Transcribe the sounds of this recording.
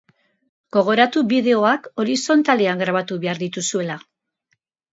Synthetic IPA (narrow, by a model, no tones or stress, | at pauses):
ɡ̥o̞ɣ̞o̞ɾat̪uβiðe̞o̞ako̞ɾiso̞nt̪ale̞aŋɡɾaβat̪uβe̞aɾðit̪usue̞la